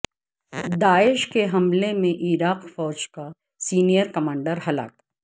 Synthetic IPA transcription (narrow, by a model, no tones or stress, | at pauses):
d̪aːɪʃkeɦɐmlemẽʔiɾaːqfɔːd͡ʒka | siːnijəɾkɐmãːɳɖəɾɦɐla̰ːk